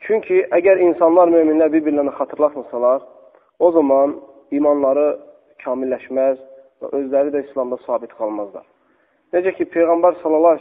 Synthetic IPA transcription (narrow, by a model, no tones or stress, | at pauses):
t͡ʃʰyɲcʰiʔæɟæɾinsɑnlˠɑɾmøːminlæɾbiɾbiɾlænχɑt̪ʰɯɾlˠɑt̪mɑsɑlˠɑɾ | o̞zɑmɑn | iːmɑnlˠɑɾɯ | cʰɑːmilːæʃmæzvæ̰ʔø̞zlæɾid̪æislˠɑmd̪ɑsɑːbit̪ɡ̥ɑlˠmɑzlˠɑ̰ɾ | ned͡ʒæcʰipʰe̞jɣɑmbæɾsɑlˠɑlˠɑ